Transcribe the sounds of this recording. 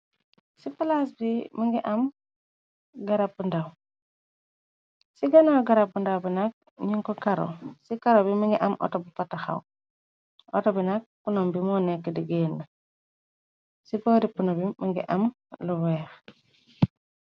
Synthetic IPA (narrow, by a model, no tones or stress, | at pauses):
sipalasbimiŋɡiʔam | ɡaɾapːundaw | siɡɐnawɡaɾapːundawbinak̚ | ɲiŋkɔkaɾo̰sikaɾobimiŋɡiʔamʔɔ̰tobifataxa̰w | ɔ̰tobinak̚punombimɔːnɛkːədiɡeːnːɐ | sipoɾipunobimiŋɡḭʔam | luwɛːx